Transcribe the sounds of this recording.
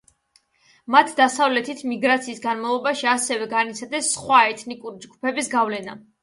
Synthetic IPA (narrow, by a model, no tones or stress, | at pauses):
mat̪ʰd̪asavlɛt̪ʰit̪ʰmiɡɾat̪sʰiːsɡanmavlˠɔbaʃiasɛvɛɡanit̪sʰad̪ɛsːχwaɛt̪ʰnikʼuɾid͡ʒɡupʰɛbisɡavlɛna̰